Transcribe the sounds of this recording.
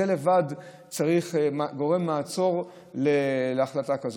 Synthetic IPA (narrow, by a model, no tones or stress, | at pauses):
ele̞vad | t͡saʁiχɡo̞ʁe̞mːaːt͡so̞ʁ | leleaχlatakazo